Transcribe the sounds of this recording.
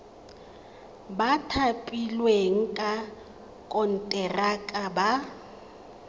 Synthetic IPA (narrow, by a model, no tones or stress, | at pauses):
batʰapʼilweŋ̩kʼa | kʼɔn̩tʼɛrakʼaba